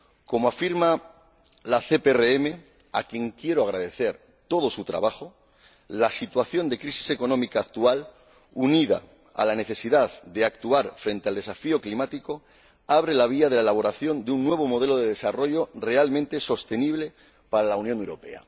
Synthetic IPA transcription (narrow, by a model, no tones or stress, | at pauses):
ko̞moafiɾma | laθe̞peereeme̞ | a̰kje̞ŋkje̞ɾoaɣ̞ɾað̞e̞θe̞ɾ | t̪o̞ð̞o̞sut̪ɾa̰βaxo | lasit̪waθjo̞nd̪e̞kɾisi̥se̞ko̞nõ̞mikaːk̚t̪ual | uniða̰ | a̰lane̞θe̞siðaðd̪e̞akt̪uaɾfɾent̪e̞ald̪e̞safio̞klimat̪iko | aβ̞ɾe̞laβ̞iað̞e̞laelaβ̞o̞ɾaθjo̞nd̪eunːwe̞β̞o̞mo̞ð̞e̞lo̞ðeðe̞saro̞ʝo̞re̞almẽnt̪e̞so̞st̪e̞niβ̞le̞ | paɾalaunjõ̞newɾo̞pe̞̰a̰